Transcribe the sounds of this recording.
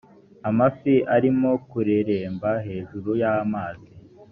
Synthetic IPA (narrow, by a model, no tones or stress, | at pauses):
amafiʔaɾimo̞kuɾeɾeːmbaɦe̞ːʒuɾujamaːzi